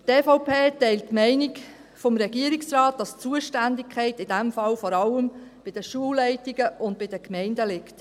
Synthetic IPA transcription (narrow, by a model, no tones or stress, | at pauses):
tɛːfoʊpʰeːtɛɪltːmɛɪnik | fɔmɾɛɡiəɾiksɾɑːt̚d̥ɑst͡suəʃtændikʰχɛɪtɪd̥æmfɑlfɔɾɑləmb̥ɪd̥əʃuəlːɛɪtiɡəʔʊnd̚b̥ɪdəkmɛɪndəlɪkt